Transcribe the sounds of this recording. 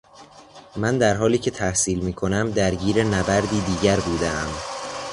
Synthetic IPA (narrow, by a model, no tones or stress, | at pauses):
mænd̪æɾɦɒːliːcʰe̞t̪ʰæhsiːlmiːkʰo̞næmd̪æɾɟiːɾenæbæɾd̪iːd̪iːɟæɾbuːd̪eæm